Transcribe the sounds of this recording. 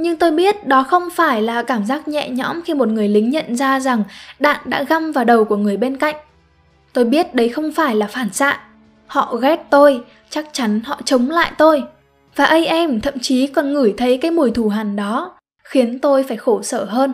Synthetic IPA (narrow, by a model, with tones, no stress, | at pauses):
ɲɨ˧ŋt̪o˧jɓi˦˥ət̚ɗɔ˨˦xə˧wŋ͡mfaː˧˩jlaː˨˩kaː˧˩mzaː˦˥k̚ɲɛ̰˧˨ɲɔ̰˧˥mxi˧mo˨˩t̚ŋɨ˨˩əjlï˨˦ŋ̟ɲə̰˧˨nzaː˧za˨˩ŋɗa̰ː˧˨nɗa̰ː˧˥ɣa˧mvaː˨˩ɗə˨˩wku˧˩əŋɨ˨˩əjɓe˧nka̰˧˨jŋ̟ | t̪o˧jɓi˦˥ət̚ɗə˨˦jxə˧wŋ͡mfaː˧˩jlaː˨˩faː˧˩nsa̰ː˧˨ | hɔ̰˧˨ɣɛ˦˥t̚t̪o˧j | t͡ɕa˦˥k̚t͡ɕa˨˦nhɔ̰˧˨t͡ɕə˨˦wŋ͡mla̰ː˧˨jt̪o˧j | vaː˨˩ʔə˧jʔɛ˧mt̪ʰə̰˧˨mt͡ɕi˨˦kɔ˨˩nŋɨ˧˩jt̪ʰə˨˦jkaː˨˦jmu˨˧˩əjt̪ʰu˧˩ɦaː˨˩nɗɔ˨˦ | xi˨˦ənt̪o˧jfaː˧˩jxo˧˩səː˧˩ɦəː˧n